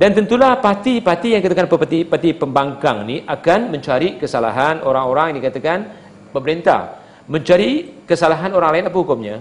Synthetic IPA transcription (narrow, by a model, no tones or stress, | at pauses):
dant̪ənt̪ulahpat̪ipat̪ijaŋdikat̪akanpapat̪ipat̪ipəmbaŋkaŋniʔakanməɲt͡ʃaɾikəsala̰ɦanoɾaŋoɾaŋjadikat̪akan | pəməɾint̪a̰ | məɲt͡ʃaɾikəsalaɦanoɾaŋlaɪnapahukʊmɲa